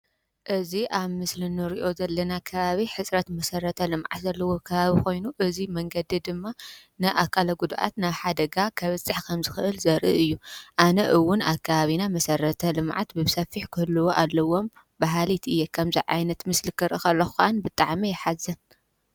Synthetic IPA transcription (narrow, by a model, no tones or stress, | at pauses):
ʔɨziʔaβmɨslɨnɨɾiʔo̞zɐlːɐnakʰɐβaβiħɨt͡sʼɾɐt̪mɐsɐɾɐt̪ʰɐlɨmʕa̰t̪zɐlːɐwo̞kʰɐβaβixo̞jnuʔɨzimɐŋɡɐd̪id̪ɨmːa | nɨʔakʰːalɐɡud̪ʔa̰t̪naβħad̪ɐɡakʰɐβɨt͡sʼːɨħkʰɐmzɨxɨʔɨlzɐɾʔɨ̰ʔɨjːuʔanɐʔɨwːʊnaβkʰːaβaβinamɐsɐɾɐt̪ʰɐlɨmʕa̰t̪bɨβsɐfːiħkʰɨhɨlːɨwoʔalːɐwo̞m | baɦalit̪ʔɨjːekʰɐmziʕajnɐt̪mɨslɨkʰɨɾʔɨkʰɐlːɐxuxʔanbɨt̪ʼaʕmijɛħazɐn